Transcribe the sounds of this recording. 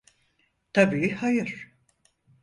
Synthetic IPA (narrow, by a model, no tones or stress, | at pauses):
t̪ʰabiːhajɯɾ̥